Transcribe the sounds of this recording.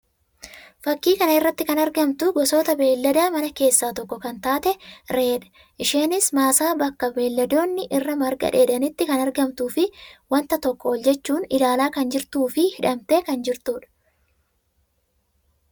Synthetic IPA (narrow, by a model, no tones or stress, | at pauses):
fɐkːiːkɐnɐɪrːɐt̪ːɪkɐnɐɾɡɐmt̪ʊɡɔso̞ːt̪ɐbe̞ːlːɐd̪aːmɐnɐke̞ːsːaːt̪ɔkːɔkɐnt̪aːt̪ɛɾe̞ːᶑɐ̥ | ʔɪʃe̞ːnɪsmaːsaːbɐkːɐbe̞ːlːɐd̪o̞ːnːɪʔɪrːɐmɐɾɡɐ̰ᶑeːd̪ɐnɪt̪ːɪkɐnɐɾɡɐmt̪uːfɪwɐnt̪ɐt̪ɔkːɔɔld͡ʒɛt͡ʃːuːnɪlaːlaːkɐnd͡ʒɪɾt̪uːfɪhɪᶑɐmt̪eːkɐnd͡ʒɪɾt̪uːᶑɐ̥